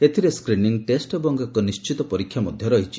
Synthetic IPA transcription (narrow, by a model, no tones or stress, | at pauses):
et̪ʰiɾeskɾiniŋʈesʈebɔŋɡɔkɔnist͡ʃit̪ɔpɔɾikʰːjamɔd̪ʱjɔɾɔɦit͡ʃʰi̥